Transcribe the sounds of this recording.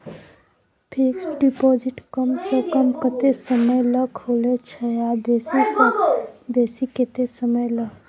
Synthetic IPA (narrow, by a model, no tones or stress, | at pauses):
pʰiksɖipod͡ʒiʈkəmsə̃kəmkət̪esəməjləkɦolet͡ʃʰəabesis | besiket̪esəməjlək